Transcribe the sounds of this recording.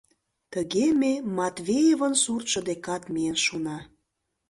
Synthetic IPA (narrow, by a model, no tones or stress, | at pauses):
t̪əɣememɑt̪vʲejevənsurt̪ʃə̆d̪ekɑt̪miənʃunɑ